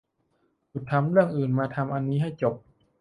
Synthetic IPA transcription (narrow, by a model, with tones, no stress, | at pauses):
t͡ɕu˨˩t̪ʰːa˧mɾɯ˥˩əŋʔɯː˨˩nmaː˧t̪ʰa˧mʔa˧nːiː˦˥ɦa˥˩jt͡ɕo˨˩p̚